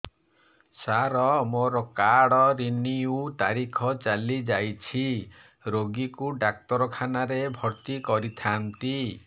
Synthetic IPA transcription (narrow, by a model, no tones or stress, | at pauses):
saɾɔmoɾɔkaɽɔɾiniut̪aɾikʰɔt͡ʃalid͡ʒajt͡ʃʰi | ɾoɡikuɖak̚t̪ɔɾɔkʰanaɾebʱɔɾt̪ikɔɾit̪ʰant̪i